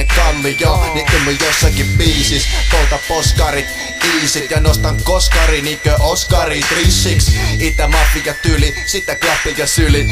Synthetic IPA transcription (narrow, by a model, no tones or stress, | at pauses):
ekɑlːijɑniumːøjosːɑkippiːsiskout̪ɑpposkɑrit̪ | piːsit̪jɑnost̪ɑkoskɑrinikøʔoskɑrit̪risːiksit̪ːæmɑfːijɑt̪ylisit̪ːeklɑpːijɑsyli